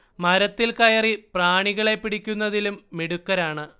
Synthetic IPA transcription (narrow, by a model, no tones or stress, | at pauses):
mɐɾɐt̪ːilkɐjɐripraːɳiɣɐɭe̞pːiɽikʲːunːɐðilumːiɽukːɐɾaːɳɨ